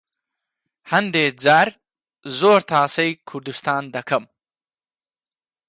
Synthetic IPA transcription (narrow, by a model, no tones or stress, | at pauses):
hɐnd̪eːd͡zaɾ | zoːɾt̪ʰaːsɐjkʰuɾd̪ust̪aːnd̪ɐkʰɐm